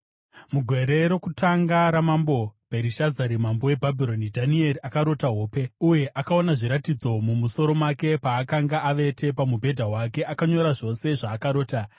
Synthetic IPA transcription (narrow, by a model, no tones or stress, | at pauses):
muɡʱwe̞ɾe̞ɾo̞kutaŋɡaɾamambo̞bʱeɾiʃazaɾimambo̞we̞bʱabʱiɾo̞nidʱanie̞ɾiakaɾo̞taɦo̞ːpe̞uje̞ʔakao̞naʐiɾatid͡zo̞mumuso̞ɾo̞make̞paːkaŋɡaʔaʋe̞tʰe̞p̬amubʱe̞dʱaɦwake̞ʔakaɲo̞ɾaʐo̞se̞ʐaːkaɾo̞ːta